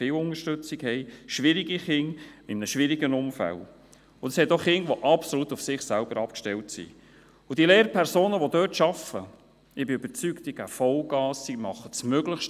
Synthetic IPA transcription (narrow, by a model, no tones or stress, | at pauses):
ɪːlʊnŋəʃtøt͡sikhɛɪʃʋɪɾiɡiχɪŋɪmnəʃʋɪɾiɡənʊmfæ̰l | ʊnd̥̪əshɛtoχɪŋʋɔʔɑpsolut̪ʊfsɪχsælb̥əɾɑpkʃtɛltsḭ | ʊd̥ileːɾpʰɛɾsoːnəʋɔd̪øːtʃɑfə | ɪbɪybəɾt͡sykt̪ɪɡ̥æfɔlɡɑːsːimɑχəsmøɡləχʃt